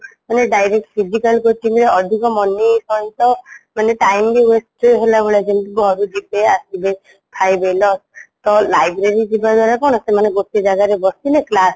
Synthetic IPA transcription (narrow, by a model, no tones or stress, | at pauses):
maneɖajɾek̚ʈpʰid͡ʒikalkoʈiŋɾeɔd̪ʱikɔmɔnisɔit̪ɔmaneʈajmɾiwesʈeɦelabeɭad͡ʒent̪ikɦɔɾud̪ipeasibe | t̪ʰajbelɔst̪ɔlajbɾeɾid͡ʒibad̪waɾakɔɽ̃ɔsemaneɡot̪id͡ʒaɡaɾebɔsineklas